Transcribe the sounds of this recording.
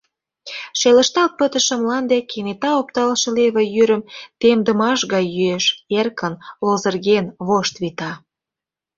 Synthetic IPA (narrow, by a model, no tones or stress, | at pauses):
ʃelə̆ʃt̪ɑlt̪̚pət̪ə̆ʃə̆mlɑnd̪ekenet̪ɑopt̪ɑlʃə̆leβĕjyɾə̆mt̪emd̪ə̆mɑʃɣɑjːyeʃerkʰənlozərɣenβoʃt̪βit̪ɑ